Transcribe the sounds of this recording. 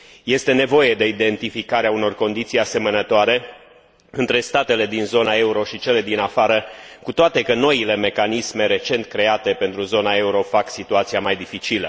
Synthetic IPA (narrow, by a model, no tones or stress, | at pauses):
je̞st̪e̞ne̞vo̞je̞d̪e̞id̪e̞nt̪ifikaɾeauno̞rko̞nd̪it̪sijase̞mənət̪oaɾe̞ | ɨnt̪ɾe̞st̪at̪e̞le̞d̪inzo̞nae̞uɾo̞ʃit͡ʃe̞le̞d̪inafaɾəkut̪oat̪e̞kəno̞ile̞me̞kanisme̞ɾe̞t͡ʃe̞nt̪kɾe̞at̪e̞pe̞nt̪ɾuzo̞nae̞uɾo̞faksit̪uat̪sijamajd̪ifit͡ʃilə